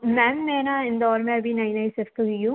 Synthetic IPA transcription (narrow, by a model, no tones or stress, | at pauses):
mɛnmeːnaɪ̃nd̪ɔːɾmẽɐbʱinaɪnaɪsɪft̪uɦijũ